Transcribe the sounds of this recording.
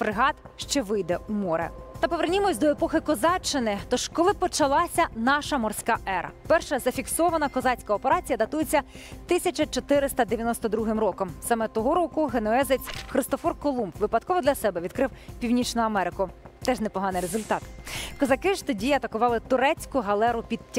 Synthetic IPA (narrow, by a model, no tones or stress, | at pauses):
fɾɪɦɑt̪ʃt͡ʃɛʋɪjd̪ɛumɔɾɛ̰t̪ɐpɔʋernʲimɔsʲd̪ɔepɔxɪkɔzɑt͡ʃːɪnɪt̪ɔʃkɔlˠɪpɔt͡ʃɐlˠɑsʲɐnɑʃɐmɔrsʲkɑʔɛɾʔɐ̰pɛrʃɐzɐfʲiksɔʋɐnɐkɔzɑt͡sʲkɐɔpeɾɑt͡sʲijɐd̪ɐt̪ujet͡sʲːɐt̪ɪsʲɐt͡ʃɐt͡ʃɔt̪ɪɾɪst̪ɐd̪eʋʲjɐnɔst̪ɔd̪ɾuɦɪmɾɔkɔmsɑmɛt̪ɔɦɔɾɔkʊɦenɔɛzet͡sʲxɾɪst̪ɔfɔrkɔlˠumpʋɪpɐd̪kɔʋɔd̪lʲɐsɛbɛʋʲid̪̥̚kɾɪwpʲiwnʲit͡ʃnʊɐmɛɾɪkʊt̪ɛʒnɛpɔɦɑnɪjɾezʊlʲt̪ɑt̪kɔzɐkɪʃt̪ɔdʲiɐt̪ɐkʊʋɑlˠɪt̪ʊɾɛt͡sʲkʊɦɐlˠɛɾʊpʲid̪̚tʲː